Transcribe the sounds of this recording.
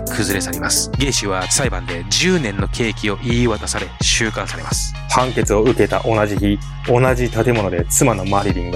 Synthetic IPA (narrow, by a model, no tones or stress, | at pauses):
kʰɯ̟zɨɾe̞saɾʲimasɨ̥ɡẽ̞ːɕiβat͡sɨ̥saibãnd̪e̞d͡ʑɨːnẽ̞nːo̞kʰe̞ːkʲio̞ʔiːβat̪asaɾe̞ɕɨːkãɰ̃saɾe̞masɨ̥ | hãŋke̞t͡sɨo̞ɯ̟ke̞t̪a̰ʔo̞naʑiçi | o̞naʑit̪at̪e̞mo̞no̞d̪e̞t͡sɨmano̞maɾʲiɾʲĩŋɡ